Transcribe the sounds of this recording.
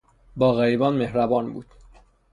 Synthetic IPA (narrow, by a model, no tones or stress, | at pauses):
bɒːɣæɾiːbɒːnmehɾæbɒːnbṵːd̪̥